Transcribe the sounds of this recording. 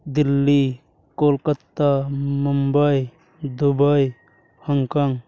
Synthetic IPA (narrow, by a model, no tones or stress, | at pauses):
d̪ilːi | kolkət̪ːamumbəj | d̪ubəj | həŋkaŋ